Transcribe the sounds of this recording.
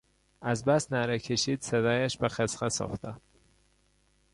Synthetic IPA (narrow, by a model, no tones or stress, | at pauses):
æzbæst̪næɾecʲʰeʃiːd̪̥sed̪ɒːjæʃbexesʁesɒ̰xt̪ʰæ